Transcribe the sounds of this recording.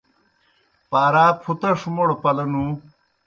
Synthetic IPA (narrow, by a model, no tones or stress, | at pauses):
paːɾaːkʰut̪ɐʂumoɽopɐlɐnu